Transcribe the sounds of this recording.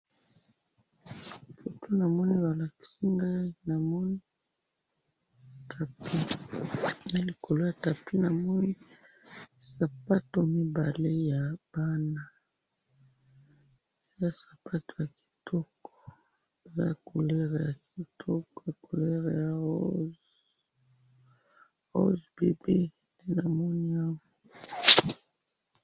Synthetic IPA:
fo˨tʰo˦na˨mɔ˦ni˦ba˨la˨ki̥˨˦si˦ŋɡa˦i˦na˨mɔ˦ni˦ | tʰa˨pi˦ | na˦li˨kʰo˨lo˦ja˨ta˨pi˦na˨mɔ˦ni˦ | sa˨pa˦to˨mi˦ba˨le˦ja˨b̥a˦na˦˨ | e˨za˦sḁ˨pa˦to̥˨ja˨ki̥˨tʰɔ˦kʰɔ̥˨ | e˨za˦˨ko˨le˦ʁe˨ja˨ki˨tʰɔ˦kɔ˨a˨ko˨le˦ʁe˨ja˨˦ | o̰˦zbe˨bi˦ | nde˦na˨mɔ˦ni˦a˦ɡɔ˨

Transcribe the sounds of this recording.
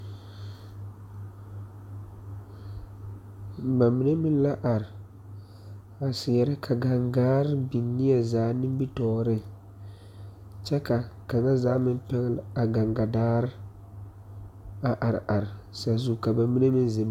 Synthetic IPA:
ba˨mːi˨ne˦mɪ˦n˦la˦ʔa˨ɾɪ˨ | a˨sɪ˨jɛ˨ɾɪ˦kʰa˨ɡa˨ŋɡaː˦ɾɪ˦bi˨˦nːi˦ɛ˨zaː˨˦nɪ˦m˦bi˦tɔː˦ɾɪ˦ | t͡ʃɛ˦ka˨ka˨ŋa˦zaː˨˦mɪ˦mpɛ˦ŋ˦la˨ɡa˨ŋɡa˨daː˦ɾɪ˦ | a˨ʔa˨ɾ̰ʔa˨ɾɪ˨sa˨zu˨ka˨ba˨mːi˦ne˦mɪ˦nze˨

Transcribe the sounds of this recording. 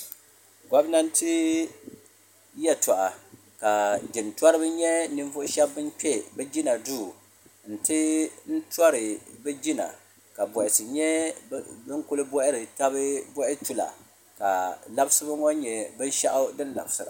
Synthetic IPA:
ɡɔ˦bna˦n̩˦tɨ˦ | jɛ˦tɔ˨ʔa˨ | ka˨d͡ʒɪ˨nta˦ɾɨ˦bɨ˦ɲɛ˦nɨ˦ɱvʊ˦ʔʃɛ˦bːɨ˦nk͡pʲɛ˦bɛ˦d͡ʒi˦na˨duː˦˨ | n̩˨tɨ˦n̩˦twa˦ɾɨ˨bɛ˦d͡ʒi˦na̰˨ | ka˨bɔ˨ʔɪ˨sɨ˨ɲɛ˦ | bɨ˦ŋkʊ˦lɨ˦bʊ˦ʔɪ˦ɾɨ˨ta˦bɨ˦bʊ˦ʔɪ˦tu˦la̰˨ | ka˨la˦bsɨ˦ba˦ŋo˦ɲɛ˨bɨ˦n˦ʃa̰˦ʔʊ˦dɨ˦nla̰˨bsɨ˨ɾa̰˨

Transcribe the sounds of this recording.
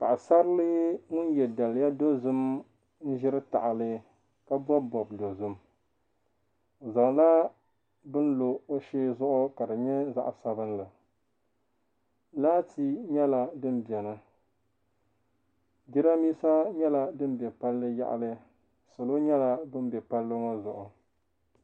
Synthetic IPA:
pa˨ʔa˨sa˦ɾlɨ˦ŋʊ˦njɛ˨da˨lja˦do˦zʊ˦m | n̩˦ʒɪ˦ɾɨ˦ta̰˨ʔa˨lɨ˦ | ka˦bɔ˦bbɔ˨b̚do˨zʊ˦m˨ | za˨ŋla˦ | bɨ˦n˦lo˨o˦ʃeː˦zʊ˦ʔʊ˦ka˨dɨ˨ɲɛ˦za̰˦ʔsa˨bɨ˦nla˨ | laː˦ti˦ɲɛ˦la˨dɨ˦n˦bɛ˨nɨ˦ | di˦ɾa˦miː˦sa˦ɲɛ˦la˨dɨ˦m˦bɛ˨pa˦lːɨ˦ja̰˦˨ʔa̰˨lɨ˦ | sʊ˨lo˦ɲɛ˦la˦bɨ˦n˦bɛ˨pa˦lːɨ˦ŋo˦zʊ˨ʔʊ˨

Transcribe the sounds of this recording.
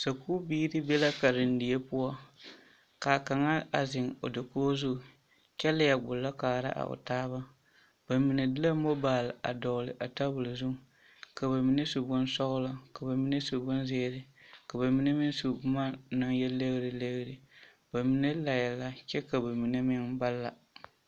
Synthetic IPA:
sa˨kuː˦biː˦ɾɨ˦bɛ˦la˦ka˨ɾɪ˨n˦dɪ˨jɛ˦pʊ˦ɔ˦ | kaː˨ka˨ŋa˦a˨zɪ˨ŋo̰˨da˨koː˦zu˦˨ | t͡ʃɛ˦la˦ja˨ɡ͡bʊ˨lːa˦kaː˨ɾa̰˦ʔa̰˨ʔʊ̰˨taː˦βa˦ | b̥a˨mi˨ne˨dɪ˦la˦mo˦baː˨la̰˨dɔ˨lɪ˨ʔa˨ta˦bʊ˨lzʊ˦˨ | ka˨ba˨mi˦ne˦su˨ɡʊ˦nsɔ˦ɣʊ˦la˦ka˨ba˨mi˦ne˦su˨ɡʊ˦nzeː˦ɾɪ˨ka˨ba˨mi˦ne˦mɪ˦ŋsu˨bʊ˦ma˦nɨ˦ŋjɛ˦le˦ɣɾɪ˨le˦ɣɾɨ˨ | ba˨mi˦ne˦la˨jɛ˨la˨t͡ʃɛ˦ka˨ba˨mi˨ne˦mɪ˦ŋba˦lːa˨

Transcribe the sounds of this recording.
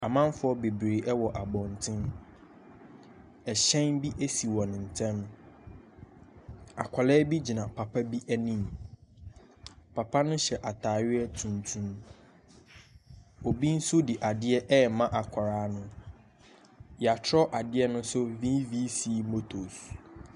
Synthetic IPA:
a˨mã˦n˦fʊ˦ɔ˦be˨bɾe˨ʔɛ˦wɔ˨ʔa˨bɔ̃˨n˨tʰɪ̃˦m | ɛ˨ɕɛ̃˦nbi˦ʔe˦si˨wɔ̃˨nɪ̃˨n̩˨tʰɛ̃˦m | a̰˨kʷʰa˨lɛ˦bi˦d͡ʑi˨nã˨pʰa˨pʰa˦bi˦ʔæ˦nĩ˦m | pʰa˨pʰa˦nʊ̃˦ɕɛ˨ʔa˨tʰaː˨ɥɪ˦ɛ˦tʰũ˨ntʰũ˦m | o˨bi˦n̩˦sʊ˦di˨ʔa˨dɪ˦ɛ˦ʔɛ˦˨mã˦ʔa˨kʷʰa˨ɾaː˨˦nʊ̃˦ | ja˨tʰɾɔ˦ʔa˨dɪ˦ɛ˦nʊ̃˦sʊ˦vi˦vi˦si˦˨mo˦tʰo˨s

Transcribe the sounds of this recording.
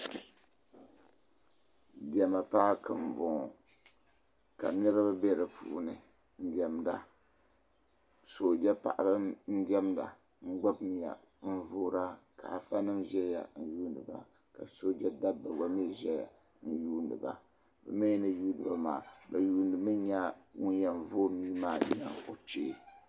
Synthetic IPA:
di˨ɛ˨ma˨paː˦kɨ˨m˨bo˨ŋ˨ | ka̰˨nɨ˦ɾɨ˦ba˦bɛ˦ɾɨ˨pʰṵː˨˦nɨ˨ | n̩˦dɛ˨mda˨ | so˨d͡ʒɛ˦pa̰˨ʔa˨bɨ˦n̩˦dɛ˦mda̰˨ | ŋ̩˦ɡ͡ba˦bn˨ja̰˨ | n̩˦voː˦ɾa˦ka̰˨a˨fa˦nɨ˦mʒɛ˦ja̰˨n̩˦juː˦n˨dɨ̰˨ba˦ | ka˨so˦d͡ʒɛ˦da˦bːa˨ɡ͡ba˦mi˦˨ʒɛ˦ja̰˨ | n̩˦juː˦ndɨ̰˨ba̰˨ | ba̰˨me˦nɨ˦juː˦dɨ˨ba˦maː˨ba˨juː˦ndɨ˨mɨ˦ɲa˦wu˦n˦jɛ˨n̩˨voː˦miː˦maː˦˨ɲa̰˦˨ŋo˨t͡ʃḛː˦˨

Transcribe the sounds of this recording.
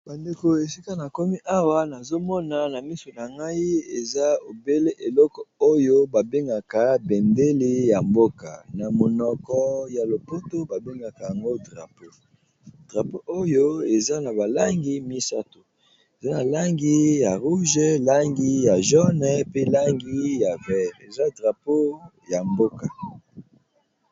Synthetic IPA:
ba˨nde˨ko˨e˨si˦ka˦na˨ko˦mi˦ʔa˦wa˨na˨zo˦mɔ˦na˨na˨mi˦so˨na˨ŋɡa˦i˦e˨za˦o˨be˦le˦ʔe˨lɔ˦kɔ˨o˦jo˦ba˨be˦ŋɡa˨ka˨bɛ˨nde˦le˦ja˨mbo˦ka˨na˨mo˨nɔ˨kɔ˨ja˨lo˨po˦to˦ba˨be˦ŋɡa˨ka˨ja˨ŋɡo˦dʁa̰˨po˦ | d̥ʁa˨po˦ʔo˦jo˦e˨za˦na˨ba˨la˦ŋɡi˦mi˦sa˦to˨ | e˨za˦na˨la˦ŋɡi˦ja˨ʁu˦ʒɛ˦la˦ŋɡi˦ja˨ʒɔ˦nɛ˦pe˦la˦ŋɡi˦ja˨vɛ˦ʁe˨za˦dʁa˨po˦ | ja˨mbo˦ka˨

